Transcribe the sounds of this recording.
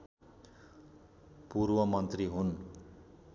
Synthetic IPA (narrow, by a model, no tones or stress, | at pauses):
purwʌmʌnt̪riɦun